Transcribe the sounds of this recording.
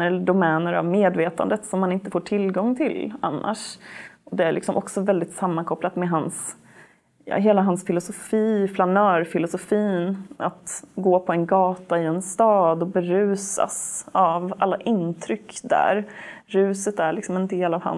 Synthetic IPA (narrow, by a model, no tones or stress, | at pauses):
əɖʊmɛːnəɾa̰vmeːd̪veːt̪a̰nd̪ət̪sɔmːanɪnt̪əfoːʈʰɪlɡɔŋːt̪ʰɪla̰nːa̰ʂʔɔd̪ɛæɭʔɪ̰ksɔmʔɔksɔvɛld̪ɪt̪samːankʰɔplat̪mɛɦans | jɑ̰ɦeːlaɦansfɪlʊsʊfiːflanœːɾfɪlʊsʊfiːnat̪ɡoːpʰɔɛnɡɑːt̪aɪɛnst̪ɑːd̪ɔbɛɾʉ̟ːsa̰savalːaʔɪnt̪ʰɾʏkːd̪æ̰ɾ | ɾʉ̟ːsət̪æɭɪksɔmɛnd̪eːlavha̰n